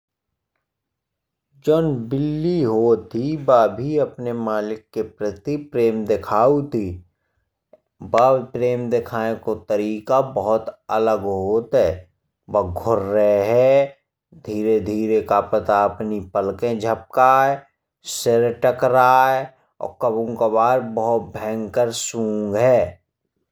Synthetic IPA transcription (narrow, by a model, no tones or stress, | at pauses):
d͡ʒoːnbɪlːiɦoːt̪ibaːbʱiəpnemaːlɪkːepɾət̪ipɾeːmd̪ɪkʰaːut̪i | baːpɾeːmd̪ɪkʰaːẽkot̪əɾiːkabəɦʊt̪ə̰ləɡɦoːt̪ɦɛː | bəɡʱʊɾːəɦeɦɛ | d̪ʱiːɾed̪ʱiːɾekapət̪aəpnipəlkẽd͡ʒʱəp̚kaːe | sɪɾʈəkɾaːe | ɔ̰ːkəbõkabaːɾbəɦʊt̪̚bʱɛ̃ːŋɡkəɾsũːŋɡɦɛː